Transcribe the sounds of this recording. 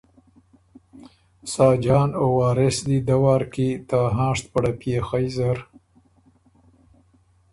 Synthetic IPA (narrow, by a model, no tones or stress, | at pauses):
sɑːd͡ʒɑːnowɑːɾɪsd̪id̪awɑːɾkit̪aɦɑ̃ːʂt̪̚paɽapjexajzaɾ